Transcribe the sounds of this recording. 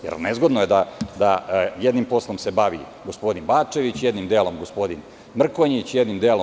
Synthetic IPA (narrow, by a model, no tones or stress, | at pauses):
jḛɾnezɡo̞d̪nojed̪ad̪ajed̪nimpo̞slˠo̞msebaʋḭ | ɡospo̞d̪inbaːt͡ʂe̞ʋit͡ɕjed̪nimd̪eːlˠomɡospo̞d̪in | mr̩koɲit͡ɕjed̪nimd̪eːlo